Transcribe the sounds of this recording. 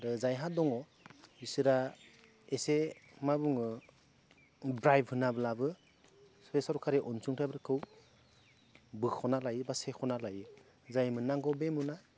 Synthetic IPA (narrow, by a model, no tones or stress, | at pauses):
ɾɯzajɦadɔŋɔ | isɯɾa | esemabuŋɯ | bɾajbhɯnabɯlabɯ | spesɔɾkʰaɾeʔɔnsuŋtʰajbɯɾkʰɯw | bɯkʰɔnalajbasekʰɔnalajɯ | zajmɯnaŋɡɔbemuna